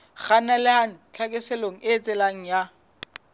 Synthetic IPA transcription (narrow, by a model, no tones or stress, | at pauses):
χanalɪɦaŋ̩t͡ɬʰakʼɪsɛloŋ̩ɪt͡sʼɪlaŋ̩ja